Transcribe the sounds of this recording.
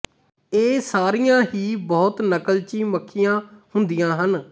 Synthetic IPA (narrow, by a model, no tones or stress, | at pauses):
eːsaːɾijãːɦiːbɔːt̪nəkəlt͡ʃiːməkʰːɪjãːhʊnd̪ijãːɦən